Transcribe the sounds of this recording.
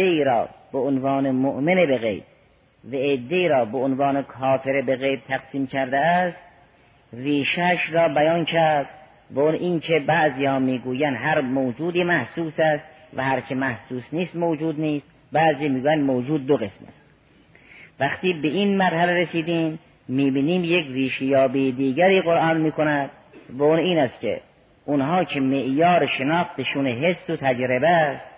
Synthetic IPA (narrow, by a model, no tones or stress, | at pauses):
eiːɾɒ̰ːb̥eonvɑːnemoʔmenebeɣḛjb̪̚ | væed̪ːe̞iːɾɒːbeonvɑːnekʰɒːfeɾebeɣejb̪̚t̪ʰæɡsiːmkʰæɾd̪eæst̪ | riːʃæʃɾɒːbæjɑːnkʰæɾd̪̚ | beonʔiːnkʰebæʔziːhɒːmiːɡuːjænd̪ɦæɾmowd͡ʒuːd̪iːmæhsuːsæst̪ | væhæɾt͡ʃʰemæhsuːsniːst̪mowd͡ʒuːd̪niːst̪ | bæʔziːmiːɡuːjænd̪mowd͡ʒuːd̪̚ːoɣesmæ̰st̪ | væxt̪iːbeʔinmæɾhæleɾesiːd̪iːmː | iːbiːniːmjekriːʃejɒːbijed̪iːɡæɾiːɣoɾʔɑːnmiːkʰonæd̪̥ | væuniːnæst̪kʰḛ | ʔunɦɑːkʰemeʔjɒːɾeʃenɑːxt̪eʃunɦesːot̪ʰæd͡ʒɾebest̪